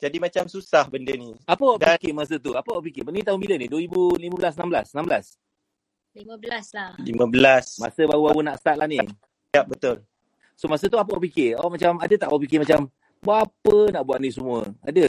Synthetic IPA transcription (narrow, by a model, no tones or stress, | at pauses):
d͡ʒadimat͡ʃamsusahbəndəniapəwaʔdkɪmas̬ət̪uapəwaʔpikɪənit̪aɦumbiləniduəɾibuliməbəlasənambla̰sənambəlas | limãbəlaslalḭməbəlasma̰səbaubaɣunaʔst̪at̪lʔahni | ap̚bət̪ʊl | somas̬ət̪uap̬əwaʔp̬ikɪawʔmat͡ʃamadət̪aʔapik̬ɪmat͡ʃam | buaapənaʔbuaʔ̪̚nis̬əmũəa̰də